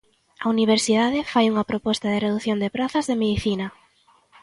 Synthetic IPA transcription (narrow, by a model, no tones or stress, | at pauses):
auniβ̞eɾsiðaðɪfajuŋɐpɾopɔst̪aðɪreðuθjond̪epɾaθɐzðemeðiθinɐ